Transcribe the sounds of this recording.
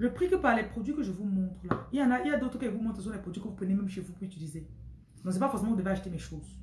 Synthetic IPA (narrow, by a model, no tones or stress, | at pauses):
ləpχikəpaʁlɛpχod̪ɥikəʒəvumɔ̃t̪χəlailjɑ̃nailjad̪ot̪χəkəevumɔ̃t̪χəs̬ɔ̃lɛpχod̪ɥikə̃vupenemɛ̃mʃevupuʁyt̪ylize | d̪ɔ̃sɛpafɔʁsemɑ̃kvud̪əveaʃut̪emɛʃoːz